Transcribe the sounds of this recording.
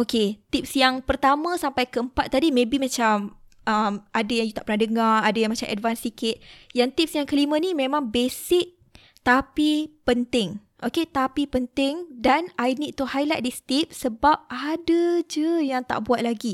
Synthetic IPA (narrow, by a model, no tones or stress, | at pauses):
ʔoket̪ip̚sjaŋpərt̪amãsampajkəəmpat̪̚ːadimẽbimat͡ʃam | əmʔadajaŋjut̪aʔpərnahdəŋaradajaŋmat͡ʃamʔɛ̰dvansikɪt̪̚jaŋt̪ip̚sjaŋkəlimə̃nĩmẽmãŋbesɪk̚ | t̪apipənt̪ɪŋ | ʔoket̪apipənt̪ɪŋdanajnit̪uhajlajt̪̚dist̪ip̚səbap̚adəd͡ʒəjaŋt̪a̰ʔbuat̪̚laɡi